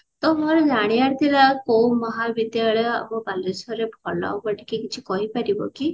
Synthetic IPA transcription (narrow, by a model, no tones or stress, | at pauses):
t̪ɔmɔɾɔd͡zaɽ̃iaɾt̪ʰilakoumɔɦabit̪jaɭea̰bɔbalesɔɾebʱɔla̰wbɔʈi̥kikit͡ʃʰikɔɦipaɾibɔ̰ki